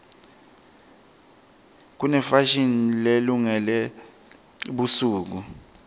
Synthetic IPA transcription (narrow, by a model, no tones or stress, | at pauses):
k̬unɛfaʃinileluŋɛlɛ | ɓusuːk̬u